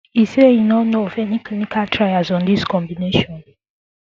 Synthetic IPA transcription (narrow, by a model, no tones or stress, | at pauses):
isejinɔnoɔfɛniklinikʰaltʰɹaɪazɔ̃ndiskɔ̃mbineʃɔ̃n